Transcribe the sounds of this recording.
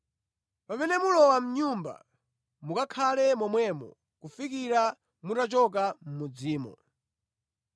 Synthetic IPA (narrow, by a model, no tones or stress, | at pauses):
pamɛnɛmulɔwam̩ɲumba̰ | mukakʰalɛmɔmwɛmɔ̰ | kufikiɾa | mutat͡ʃɔk̬am̩mud͡ziːmɔ̰